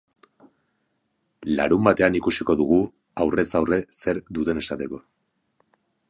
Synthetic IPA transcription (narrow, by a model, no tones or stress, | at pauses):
la̰ɾumbat̪e̞anikusiko̞ðuɣ̞u | awre̞sawre̞se̞ɾd̪ut̪e̞ne̞sat̪e̞ko̞